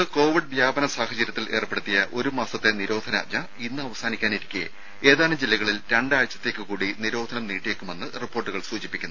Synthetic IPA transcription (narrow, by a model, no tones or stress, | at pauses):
ɨko̞ːʋiɖ̚ʋjaːbɐnɐsaːhɐt͡ɕɐɾjɐt̪ːilʔe̞̰ːrpeɽut̪ːijɐʔo̞ɾumaːsɐt̪ːe̞niɾo̞ːd̪ʱɐnɐ̰ɲɐ | inːɨɐʋɐsaːnikʲːaːniɾikʲːḛ | e̞ːðaːlɐmd͡ʑilːɐɣɐɭilɾɐɳɖaːjt͡ɕːɐ̥t̪ːe̞ːkːɨkuːɽiniɾo̞ːd̪ʱɐnɐmniːʈːieːkːume̞nːɨripːo̞ːrʈːuɣɐɭsuːd͡ʑipːikʲːunː